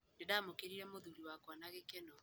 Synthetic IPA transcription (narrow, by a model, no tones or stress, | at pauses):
dedaːmokeɾiɾɛmoðuɾiwakwanaɣekɛnɔ